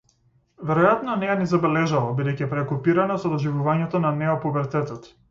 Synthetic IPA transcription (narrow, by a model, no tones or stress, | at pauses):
vɛɾɔjat̪nɔnɛjanizabɛlɛʒalˠɔbid̪ɛjcipɾɛkupiɾanasɔd̪ɔʒivuvaɲɛt̪ɔnanɛɔpubɛɾt̪ɛt̪ɔt̪